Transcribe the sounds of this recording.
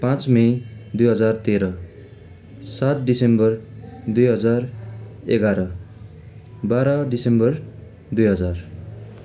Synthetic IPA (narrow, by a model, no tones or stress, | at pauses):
pãt͡smʌjd̪ujɦʌd͡zart̪eɾʌ | sat̪̚disembʌrd̪ujɦʌd͡zareɡaɾʌ | baɾʌdisembʌr | d̪ujɦʌd͡zar